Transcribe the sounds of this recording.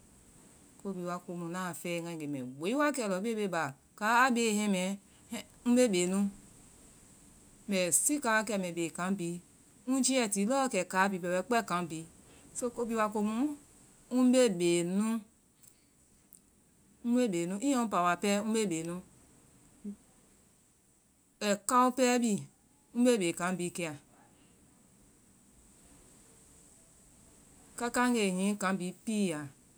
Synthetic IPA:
ko˦bi˧˨wa˧ko˨˧mu˨nã˦˨fɛ˦˨ŋã˨e˨mɛ̰˨ɡ͡be˨˦i˦wa˦kɛ˨lɔ˨˦be˦be˧˦˨ba˨ | ka˨˦a˦be˨hɛ̃˦mɛ˨˦ | ũ˦be˦be˨nũ˦ | mɛ˨si˦ka˨˦wa˦kɛ˧˨mɛ˨be˨kã˨˦bi˨˦ | ũ˦d͡ʒi˦ɛ˨ti˨˦lɔ˦kɛ˨ka˨˦bi˨bɛ˨wɛ˦k͡pɛ˦˨kã˨˦m˦bi˧ | so˦ko˦bi˧wa˧ko˧mu˦ | ũ˦be˦be˨nũ˦ | ũ˦be˦˨be˨nũ˦ʔi˦o˦u˦pa˨wa˨pɛ˦ũ˦be˦˨be˨nũ˦ | ɛ˨ka˦u˦pɛ˦bi˦ | ũ˦be˦˨be˨kã˨˦bi˧˨ke˧˨a˨ | ka˦ka˦e˨ɦĩ˨˦kã˨˦bi˨˦pi˦˨a˨

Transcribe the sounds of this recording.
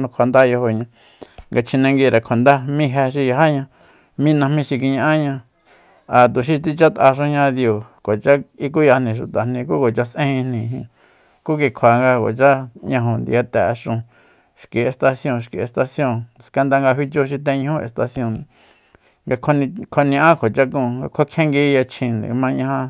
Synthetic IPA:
nũ˧kʷʰa˨nd̪a˦jo˧ho˧ɲã˧ | ŋɡa˧t͡ʃʰĩ˧nã˧ŋɡi˧ɾa˨kʷʰa˨nd̪a˦mĩ˦˧ɦe˧ʃi˧ja˧ɦa˦ɲã˧ | mĩ˦˧nã˧mĩ˧ʃi˧ki˧ɲã˧ʔã˦ɲã˧ | a˨t̪u˨ʃi˧t̪i˧t͡ʃa˦t̪ʔa˧ʃõ˧ɲã˧ðjo˨ko˨t͡ʃa˦i˧k̬u˦ja˧nĩ˨ʃ̬u˨t̪a˨n̥ĩ˧ku˦ko˨t͡ʃa˧sʔẽ˦hĩ˧nĩ˧˨ɦĩ˧ | ku˦k̬i˧kʰa˨ŋɡa˧ko̰˨t͡ʃa˦ɲã˧ɦõ˨nd̪ḭ˧a˧t̪ɛ˨˧ʂũ˧ | ʃki˨e˧st̪a˧sjõ˧˨˧ʃkḭ˨e˧st̪a˧sjõ˧˨ska˧nd̪a˧ŋɡa˧ɦi˧t͡ʃo˧ʃ̬i˧t̪ẽ˧ɲĩ˧hũ˦ḛ˧st̪a˧sjõ˧˨nĩ˧˨ | ŋɡa˧kʰo˧nĩ˧kʷʰo˧nĩ˧ʔã˦kʰo˨t͡ʃa˧kũː˧ŋɡa˧kʷʰa˦kʰẽ˦ŋɡi˧ja˧t͡ʃʰĩ˧nd̪ḭ̃˨˧mã˧ɲã˧ã˧

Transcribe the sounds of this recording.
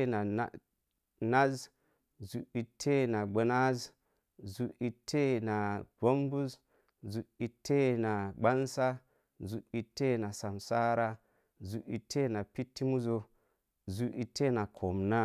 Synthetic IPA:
na˨a˦ | na˦z | zu˨i˨tʰe˦na˨ɡ͡be˨na˦z | zu˨ʔi˨tʰːe˦na˨bo˦mbu˦z | zu˨i˨tʰe˦na˨ɡ͡ba˦nsa˦ | zu˨ʔi˨tːe˦na˨sa˨msa˦ɾa˦ | zu˨ʔi˨tʰːe˦na˨pi˦tʰːi˦mu˦zo˦ | zu˨ʔi˨tʰːe˦na˨kʰo˨mna˦

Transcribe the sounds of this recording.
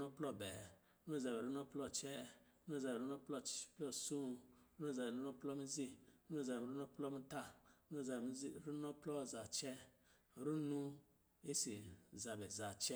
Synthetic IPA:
u˦nɔ˦plɔ˦˧˨bɛ˨˦ | u˦˨za˨bɛ˨ɾu˦nɔ˦plɔ˦˨t͡ʃɛ˦ | nu˦˨za˨bɾu˦nɔ˦plɔ˦˨plɔ˦˨su˦˨ɾu˦nu˦˨za˨bɛ˨ɾu˦nɔ˦plɔ˦mi˦zi˦ɾu˦˨za˨bɛ˨ɾu˦nɔ˦plɔ˦mi˦ta˦u˦˨za˨bm˦i˦˨ɾu˦nɔ˦plɔ˦˨za˨t͡ʃɛ˦˨ | ɾu˦nu˦ | e˦si˨za˨bɛ˨za˨t͡ʃɛ˦

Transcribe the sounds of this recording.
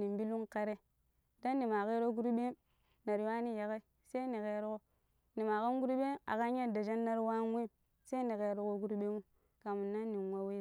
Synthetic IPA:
ni˨mbi˦lu˦ŋka˦ɾe˦ | da˦nːi˨ma˨ke˦ɾo˦ɡu˦ɾu˦ɓe˦m | na˨ɾi˨wa˦ni˦ja˨ka˦i˦ | se˦ni˨ke˨ɾko˦ | ni˨ma˨ka˦n˦ɡu˦ɾu˦ɓe˦a̰˨ka˦ɲa˦da˨d͡ʒa˦nːa˦ɾwa˦n˦we˦m | se˦i˦ni˨ke˨ɾu˦ko˦ɡu˦ɾu˦ɓe˦mu˦ | ka˨mu˨nːa˦nː˦i˨n˨wa˦we˦˨

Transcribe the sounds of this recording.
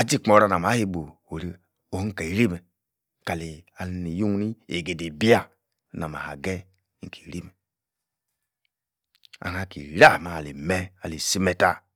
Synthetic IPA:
a˨d͡ʒi˦˨k͡po˨ɾa˨na˨ma˨˦he˦bo˨ | o˨ɾi˦ | o˨hŋ̩˦ka˨i˨ɾi˦me˨ | ka˨li˨a˨lni˨ju˦ŋ˦ni˦e˨ɡe˨de˨bi˦a˦˨ | na˨ma̰˨ha̰˨ɡɛ˦ | ŋ̩˦˨ki̥˨ɾi˦mɛ˨ | a̰˨ha˨kḭ˨ɾa˦˨ma˨li˨me˦a˨li˨si˦me˨ta˦

